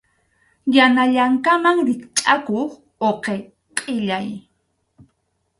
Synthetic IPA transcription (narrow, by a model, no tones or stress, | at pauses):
janaʎaŋkamaŋɾɪkt͡ʃʼakoχ | oqe | qʼɪʎaj